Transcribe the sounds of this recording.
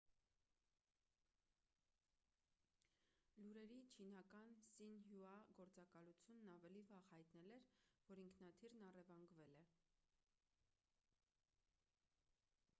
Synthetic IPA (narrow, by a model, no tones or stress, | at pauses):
luɾɛɾit͡ʃʰinɑkɑnsinɦjuɑɡɔɾt͡sɑkɑlut͡sʰjunːɑvɛlivɑʁhɑjt̪nɛlɛɾvɔɾiŋkʰnɑt̪ʰiɾnɑrɛvɑŋɡvɛlɛ